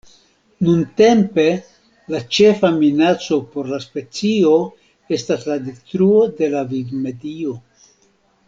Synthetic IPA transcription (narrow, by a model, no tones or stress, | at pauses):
nunte̞mpe̞ | lat͡ʃe̞faminat͡so̞po̞ɾlaspe̞t͡sio̞ | e̞stasladestɾuo̞de̞lavivme̞dio̞